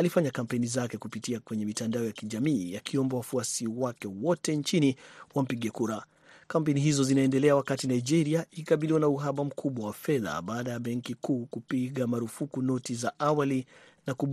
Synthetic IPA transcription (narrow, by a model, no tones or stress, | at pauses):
alifaɲakam̩pɛnizakɛkupitiakwɛɲɛmitandaɔjakiʄamiːakʰiɔmbawafuasiwakɛwɔtɛɲt͡ʃiniwam̩piɠɛkuɾa | kampɛniɦizɔzinaɛndɛlɛawakatinaid͡ʒɛɾiaiikaɓiliwanauɦaɓam̩kʰuɓwawafɛða̰ɓaːɗajaɓɛŋkikuːkupiɠamaɾufukunɔtizaʔawali | nakuɓ